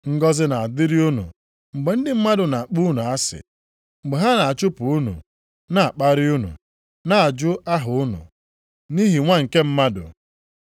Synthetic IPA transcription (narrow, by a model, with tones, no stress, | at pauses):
ŋ̩˦ɡɔ˦zɪ˦na˨a˨dɪ˦ɾi˦u˦nṵ˨ | ŋ͡m̩˨ɡ͡be˨n̩˦dɪ˨m̩˦ma˦dʊ˨na˨a˨k͡pu˦nu˨a˦sɪ̰˨ | ŋ͡m̩˨ɡ͡be˨ɦa˦na˨a˨t͡ʃʊ˦pu˨u˦nṵ˨ | na˨a˨k͡pa˦ɾɪ˦u˦nṵ˨ | na˨a˨d͡ʒʊ˦a˦ɦʊ˨ʊ˦nʊ̰˨ | ni˦ɦi˨ŋʷa˦ŋ̩˨ke˦m̩˦ma˦dʊ̰˨